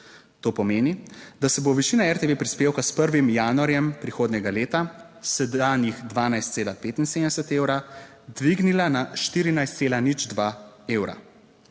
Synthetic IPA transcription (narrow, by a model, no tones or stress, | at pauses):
t̪oːpɔmeːnid̪asɛboʋɛt͡ʃiːnaɛɾt̪eʋepɾispeːwkaspəɾʋimjaːnuaɾjɛmpɾixoːd̪nʲɛɡaleːt̪a | sɛd̪aːnjixd̪ʋaːnajst̪seːlapeːt̪inseːmd̪ɛsɛt̪eːwɾa | d̪ʋiɡnilanaʃt̪iːɾinajst̪seːlanid͡ʒd̪ʋaːeːwɾa̰